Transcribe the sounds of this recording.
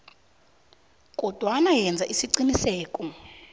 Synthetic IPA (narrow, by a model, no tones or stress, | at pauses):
kʼɔd̥ʱwanajɛnd͡zʱaʔisiǀinisɛːkʼɔ